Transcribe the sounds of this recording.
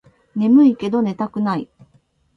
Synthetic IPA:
ne̞mɯ̟ike̞d̪o̞ne̞t̪akɯ̟nai

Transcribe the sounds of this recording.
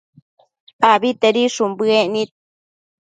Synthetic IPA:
abit̪eɾiʂumbɨeʔnĩt̪̚

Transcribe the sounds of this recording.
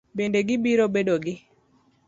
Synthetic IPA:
bendeɡɪbiɾobedoɡɪ

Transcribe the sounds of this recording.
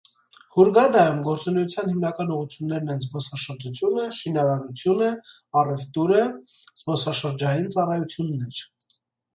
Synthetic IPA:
huɾɡɑd̪ɑjumɡɔɾt͡sunɛjut͡sʰjɑnhimnɑkɑnuʁut͡sʰjunːɛɾnɛnzbɔsɑʃəɾd͡ʒut͡sʰjunəʃinɑɾɑɾut͡sʰjunə | ɑrɛft̪uɾə | z̥bɔsɑʃəɾd͡ʒɑjint͡sɑrɑjut͡sʰjunːɛɾ

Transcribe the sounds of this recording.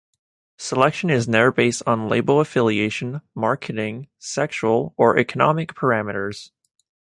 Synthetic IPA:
səlɛkʃɨ̃nɪznə˞beɪstn̩lḛɪbl̩ˠəfɪlˠieɪʃɨ̃n̩mɑɹkʰɨɾɪ̃ŋsɛkʃul̩ˠə˞ʔɛkʰənɑmɨk̚pʰə˞æmɨɾə˞z̥

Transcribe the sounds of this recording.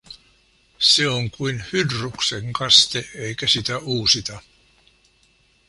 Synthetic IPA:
seoŋkuinhydrukseŋkɑst̪eeikæsit̪æuːsit̪ɑ

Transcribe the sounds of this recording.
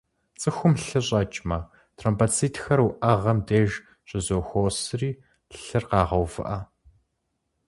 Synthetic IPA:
t͡sʼɨxʷʊmɬɨɕʼɐt͡ʃʼmɐ | tʰrompaːt͡sʰiːtʰxɐruʔɐʁɐmdeːʒ | ɕʼɪzoːxʷoːsɨriː | ɬɨrqɑːʁɐwvɨ̰ʔɐ

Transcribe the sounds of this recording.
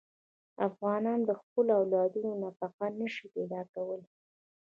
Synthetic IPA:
afɣɑnɑnd̪əxpəloawlɑd̪unonafaqanəʃiped̪ɑkawəl

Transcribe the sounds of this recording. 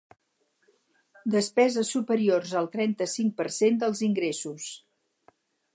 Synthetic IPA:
d̪əspɛzəsupəɾiorzəlˠt̪ɾɛnt̪əsiŋ̚pəɾsend̪əlˠziŋɡɾesus

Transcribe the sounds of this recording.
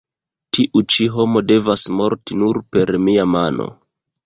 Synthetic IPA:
tiʔut͡ʃiɦo̞mo̞de̞vasmo̞ɾtinuɾpe̞ɾmiamano̞̰

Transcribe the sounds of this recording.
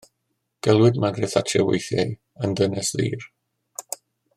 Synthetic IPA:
ɡ̥ɛlˠwɪdmaɡrɛθatʰrɛwḛjθjaɨ | əndənɛsðḭːr

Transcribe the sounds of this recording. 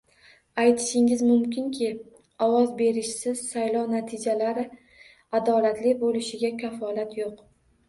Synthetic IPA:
ajt̪ʰɪ̥ʃɪŋɪzmʊmkʲʰɪnkʲʰɪ | ɒwɒzbe̞ɾɪʃsɪz̥sajlɒnat̪ʰɪd͡ʒalaɾɪ | ad̪ɒlat̪lɪbolɪʃɪɡʲakʲʰafɒlat̪joq

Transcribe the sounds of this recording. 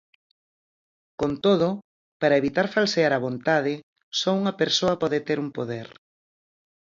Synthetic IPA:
kont̪oðʊ | paɾɐeβit̪aɾfalseaɾɐβ̞ont̪aðɪ | sɔuŋɐpeɾsoɐpɔðet̪eɾumpoðeɾ

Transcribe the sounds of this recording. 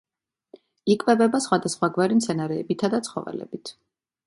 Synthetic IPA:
ikʼvɛbɛbasχwad̪asχwaɡwaɾimsʰɛnaɾɛːbit̪ʰad̪at̪sʰχɔ̰vɛ̰lɛ̰bit̪ʰ

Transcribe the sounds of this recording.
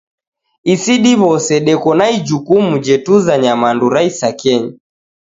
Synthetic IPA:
isiɗiβɔsɛɗɛkɔnaid͡ʒukumud͡ʒɛtuzaɲamanduɾaisakɛɲa

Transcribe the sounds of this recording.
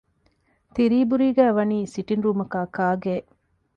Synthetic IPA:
t̪iɾiːbuɾiːɡæːʋɐniːsiʈinɾuːmɐkaːkaːɡeː

